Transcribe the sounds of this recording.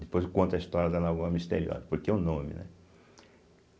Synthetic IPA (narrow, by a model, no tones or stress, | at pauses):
d̪ɪpojzkõnt̪ɐist̪ɔɾiɐd̪ɐnauɐmist̪ḛɾiɔ̰zɐpoɾkeʊnõmɪ̰nɛ̰